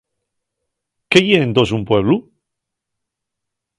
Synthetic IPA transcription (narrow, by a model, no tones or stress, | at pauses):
keʝeend̪o̞s̬umpwe̞β̞lu